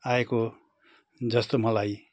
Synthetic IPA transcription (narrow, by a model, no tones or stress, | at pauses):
aeko | d͡zʌst̪omʌlaj